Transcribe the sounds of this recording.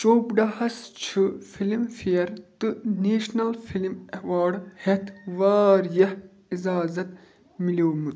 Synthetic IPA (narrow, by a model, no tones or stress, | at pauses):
t͡ʃoːpɖɐhɐst͡ʃʰɨfilimfiɐɾt̪ɨneːʃnɐlfilimeʋaːɖhet̪ʰʋaːɾjɐh | izaːzɐt̪ | miloːmut̪